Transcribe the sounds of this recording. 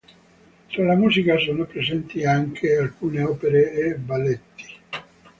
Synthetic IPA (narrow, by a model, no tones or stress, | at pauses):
t̪ɾalamuːzikasoːnopɾezɛnt̪iaŋkʰealkuːneɔːpeɾeːbːalet̪ːi̥